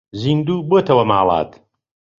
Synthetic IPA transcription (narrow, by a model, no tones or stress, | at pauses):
zind̪uːboːt̪ʰɐwɐmaːlˠɑ̰ːt̪